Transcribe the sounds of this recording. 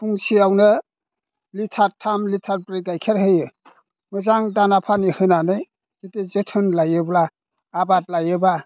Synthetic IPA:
pʰuŋsiawnɯ | litʰaɾtʰːamlitʰaɾbɾiɡajkʰeɾɦɯjɯ | mɯzaŋdanapʰanihɯnanɯj | kitezetʰɯnlajɯblaː | bat̚lajɯba

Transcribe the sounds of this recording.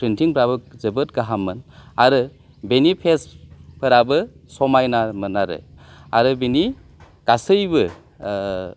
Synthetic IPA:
pʰɾintʰiŋpʰɾabɯzɯbɯt̚ɡaɦamɯnaɾɯ | benipʰespʰɯɾabɯsɔmajnamɯnaɾɯ̰a̰ɾɯbeni | ɡ̥asɯjbɯ

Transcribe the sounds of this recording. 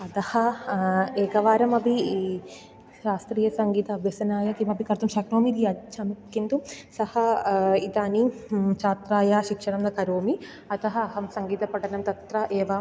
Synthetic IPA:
ɐt̪ɐhɐ | eːkɐʋaːɾɐmɐbi | ʃaːst̪ɾiːjɐsɐŋɡiːt̪ɐːbʱjɐsɐnaːjɐkimɐbʱikɐɾt̪ɐmʃɐːkɾoːmid̪iɐt͡ʃʰɐmikːint̪usɐhɐit̪aːnit͡ʃaːt̪ɾaːjaːʃikʂɐɾɐmd̪ɐkɐɾoːmi | ɐt̪ɐɦɐɐɦɐmsɐŋɡiːt̪ɐpɐʈɐnɐmt̪ɐt̪ɾɐʔɛːʋaː

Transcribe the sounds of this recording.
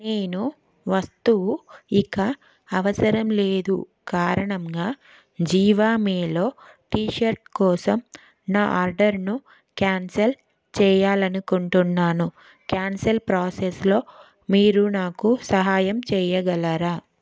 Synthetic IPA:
neːnu | ʋɐst̪uuikɐ | ɐʋɐsɐɾɐmle̞ːd̪ṵ | kaːɾɐɳɐŋɡaː | d͡ʒiːʋaːmɛːlo̞ːʈiːʃɐɾʈ̚kɔːsɐm | naːʔaːɾɖɐɾnu | kjaːnsɐl | t͡ʃɛːjaːlɐnukuɳʈunːaːnu | kjaːnsɐlpɾaːseslo̞ː | miːɾunaːkusɐɦaːjɐmt͡ʃɛːjɐɡɐlaɾaː

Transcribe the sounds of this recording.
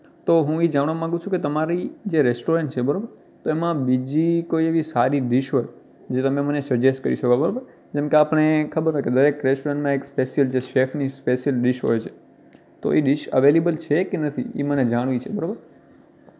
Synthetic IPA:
t̪oɦũid͡ʒaɽ̃ʋamãŋɡũt͡ʃʰũket̪əmaɾid͡ʒeɾesʈoɾẽɳʈt͡ʃʰebəɾobəɾ | t̪oemãbid͡ʒikoieʋisaɾiɖɪʃɦoj | d͡ʒet̪əmẽmənesəd͡ʒesʈ̚kə̰ɾḭʃəkabəɾobəɾ | d͡ʒɛmkeapəɽ̃ekʰəbəɾɦəked̪əɾekɾesʈoɾẽɳʈmãekspeʃijəld͡ʒeʃefnispeʃijəlɖɪʃɦo̰jt͡ʃʰe̥ | t̪o̰eɖɪʃə̰ʋelebəlt͡ʃʰekenət̪ʰḭḭməned͡ʒaɽ̃ʋĩt͡ʃʰebəɾobəɾ

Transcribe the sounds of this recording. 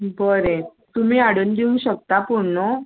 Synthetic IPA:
bəɾe | t̪umiːaɽənd̪iũɕək̚t̪apuɽɳo

